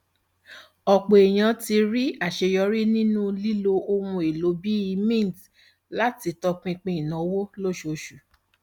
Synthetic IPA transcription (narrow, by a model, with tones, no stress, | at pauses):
ɔ˨k͡po˨e˨j̃ã˧˦ti˧ɾi˦a˦˨ʃe˧jɔ˧˦ɾi˦nĩ˦nũ˦li˦lo˧o˧mũ˧e˨lo˨˦bi˦i˧mĩ˦˨t | la˦ti˨˧tɔ˧k͡pĩ˧k͡pĩ˧˦i˨nã˨wo˦lo˦˨ʃo˨ʃu˨